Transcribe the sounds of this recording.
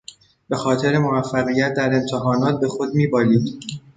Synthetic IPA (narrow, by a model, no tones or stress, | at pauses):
be̞xɒːt̪ʰe̞ɾe̞movæfːæɣijæt̪̚d̪æɾe̞nt̪ʰe̞ɦɒːnɒːt̪̚be̞xo̞d̪miːbɒːliːd̪̥